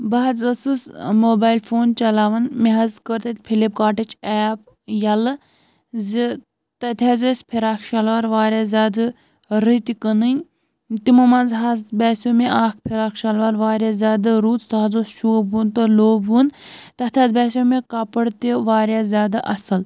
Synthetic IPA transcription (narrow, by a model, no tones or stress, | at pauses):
bɐɦɐt͡sɐsɨsmoːbaːjlfoːnt͡ʃɐlaːʋɐnmeɦɐzkəɾt̪ɐt̪ʲpʰilip̚kaːʈit͡ʃʰɛːp | jɐlɨ | zi | t̪ɐt̪ʰʲjaːzosʲpʰiɾaːkʃɐlʋaːɾʋaːɾjaːzʲjaːd̪ɨ | ɾit̪ikənɨnʲ | t̪imɐmãːnzɦasbʲaːsoːmeaːkʰpʰeɾaːkʰʃɐlʋaːɾʋaːɾʲjazʲjaːd̪aɾuːt͡st̪aɦɐzoːsʃuunt̪ɐloːbunt̪ɐt̪ʰʲaːzbʲɛːsʲjoːmekapəɽt̪iʋaːɾjaːzʲjaːd̪aʔɐsɐl